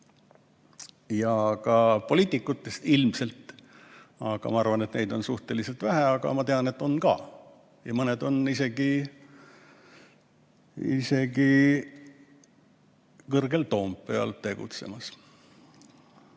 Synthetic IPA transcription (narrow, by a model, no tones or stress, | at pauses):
jɑkɑpo̞liːt̪ːˑikːˑut̪ːe̞st̪ilmse̞lt̪ˑ | ɑɡ̥ɑ̰mɑɑrvɑne̞t̪ne̞jd̪̥o̞nsuht̪e̞lise̞lt̪væɦæɑɡ̥ɑ̰mɑt̪e̞ɑne̞t̪ːo̞nkɑ̰ː | jɑmɤned̪o̞nise̞ɡi | ḭse̞ɡi | kɤrɡe̞lt̪o̞ːmpe̞ɑ̰lt̪e̞ɡ̥ṵt̪se̞̰mɑs